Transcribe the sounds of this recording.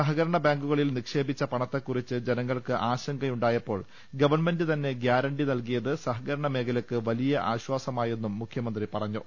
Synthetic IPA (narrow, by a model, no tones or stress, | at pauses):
sɐɦɐɣɐɾɐɳɐbaːŋɡuɣɐɭilnikʂe̞ːbit͡ɕːɐpɐɳɐt̪ːe̞kːurit͡ɕːɨd͡ʑenɐŋːɐɭkɨʔaːɕɐŋɡɐjuɳɖaːjɐpːo̞ːɭ | ɡɐʋɐrnme̞ndɨt̪ɐnːe̞ɡjaːɾɐɳɖinɐlkijɐðɨsɐɦɐɣɐɾɐɳɐme̞ːkʰɐlɐkːɨʋɐlijɐʔaːɕwaːsɐmaːje̞nːumːukʰjɐmɐnd̪ripɐrɐɲːu